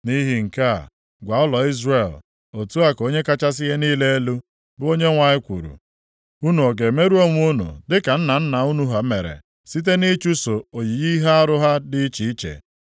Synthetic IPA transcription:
ni˦ɦi˨ŋ̩˨ka̰˦˨ | ɡʷa˨˦ʊ˦lɔ˨i˦zre˨l | o˨tu˦a˦ko˦ɲe˦ka˦t͡ʃa˦s̬ɪ˦ɦe˦niː˦le˦e˦lu˦ | bʊ˦o˦ɲe˦ŋʷa˨ɲɪ˦kʷṵ˨ɾṵ˨ | u˦nu˨o˨ɡe˨me˦ɾu˦o˦ŋʷ˦u˦nṵ˨dɪ˦ka˨n̩˦na˨n̩˦na˨u˦nu˦ɦa˨˦me˨ɾḛ˨ | si˦t̬e˦ni˦t͡ʃu˦so˨o˨ɲi˨ɣi˦ɦa˦a˦ɾʊ˦ɦa˦dɪ˦i˦t͡ʃi˨i˦t͡ʃḛ˨

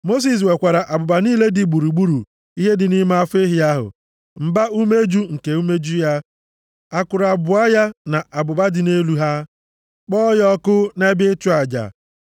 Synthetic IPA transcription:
mo˦s̬i˨s̬we˨kʷa˨ɾa˨ʔa˨bʊ˨ba˨niː˦le˦dɪ˨ɡ͡bu˨ɾu˨ɡ͡bu˦ɾṵ˨ | i˦ɦe˦dɪ˨ni˦ma˦a˦fe˦ɦɪ˨a˦ɦʊ̰˨ | m̩˨ba˦u˦me˦d͡ʒu˦ŋ̩˨ke˨u˦me˦d͡ʒu˦ja˦ | a˨kʊ˨ɾa˨bʊ˨a˦ja˦na˨ʔa˨bʊ˨ba˦dɪ˨ne˦lu˦ɦa˦ | k͡pɔ˦jɔ˦kʊ˦ne˦bɪ˦tʊ˦a˨d͡ʒa̰˨

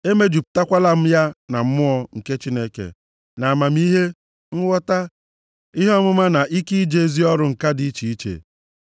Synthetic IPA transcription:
e˦me˦d͡ʒu˨pʊ̥˨ta˦kʷa˦la˦m̩˦ja˦na˨m̩˦mʊ˦ɔ˨ŋ̩˨ke˦t͡ʃi˦ne˦kḛ˨ | na˨ma˨m̩˦i˦ɦe˦ | ŋ̩˦wɔ˦ta˦ | i˦ɦe˦ɔ˦mʊ˦ma˦na˨ʔi˦ki˦i˦d͡ʒe˨˦zi˦ɔ˦ɾʊ˦ŋ̩˨ka˦di˨˦t͡ʃi˨i˦t͡ʃḛ˨

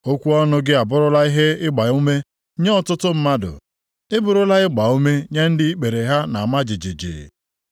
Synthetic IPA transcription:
o˦kʷu˦ɔ˦nʊ˦ɡɪ˦a˨bʊ˦ɾʊ˦la˦i˦ɦe˦ɪ˦ɡ͡ba˨u˦me˦ | ɲe˦ɔ˦˨tʊ˦tʊ˦m̩˦ma˦dʊ̰˨ | ɪ˦bʊ˨ɾʊ˦la˦ɪ˦ɡ͡ba˨u˦me˦ɲe˦n̩˦dɪ˦i˦k͡pe˨ɾe˨ɦa˦na˨ma˦d͡ʒɪ˨d͡ʒe˨d͡ʒḛ˨

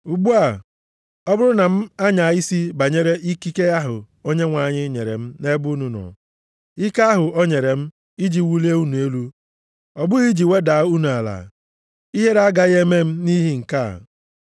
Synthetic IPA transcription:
u˨ɡ͡bu˦a˨ | ɔ˦bʊ˦ɾʊ˦na˨m̩˦a˦ɲa˨i˦si˦ba˨ɲe˦ɾe˦ʔi˦ki˦ke˦a˦ɦʊ˨ | o˦ɲe˦ŋʷa˨ɲɪ˦ɲe˨ɾḛ˨m̩˦ne˦bʊ˦nu˨nɔ̰˨ | i˦ka˦a˦ɦʊ˨o˦ɲe˨ɾe˨m̩˦ | i˦d͡ʒi˨wu˦le˦u˦nu˨e˦lu˦ | ɔ˨bʊ˦ɣi˦d͡ʒi˨we˦da˨˦u˦nu˨a˨la̰˨ | i˦ɦe˦ɾa˦ɡa˦ɣe˦me˦m̩˦ni˦ɦi˦ŋ̩˨ka˦˨

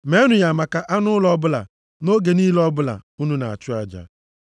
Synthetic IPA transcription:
me˨˦nʊ˨ja˨ma˨ka˨ʔa˦nʊ˦lɔ˦bʊ˦la̰˨ | no˦ɡe˨niː˦lɔ˦bʊ˦la̰˨u˦nu˦na̰˨a̰˨t͡ʃʊ˦a˨d͡ʒa̰˨

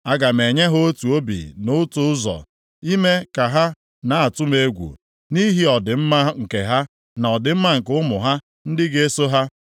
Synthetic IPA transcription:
a˦˨ɡa˨m̩e˨ɲe˦ɦo˦tu˨o˦bḭ˨nʊ˦tʊ˦ʊ˦zɔ̰˨ | i˦me˦ka˨ɦa˦ | na˨a˨tʊ˦me˦ɡʷṵ˨ | ni˦ɦi˦ɔ˨dɪ˨m̩˦ma˦ŋ̩˨ke˨ɦa˦ | na˨ɔ˨dɪ˨m̩˦ma˦ŋ̩˨kʊ˦mʊ˨ɦa˦ | n̩˦dɪ˦ɡe˦so˦ɦa˦

